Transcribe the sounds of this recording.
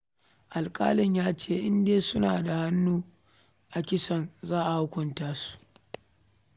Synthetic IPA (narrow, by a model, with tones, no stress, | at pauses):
ʔa˨lkʼa̰ː˦lɪ˨ɲjaː˦t͡ʃeː˦˨ʔɪ˦ndeː˦sʊ˦naː˨da˨ha˦nːuː˦ | ʔa˨kʲɪ˦sɐ˨nzaː˦ʔa˨hʊ˦kʷʊ˨ntaː˦su̥˦ʔ